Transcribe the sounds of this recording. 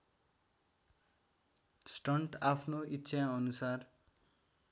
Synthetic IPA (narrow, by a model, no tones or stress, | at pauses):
sʈʌɳʈapʰnoitːsʰaʌnusar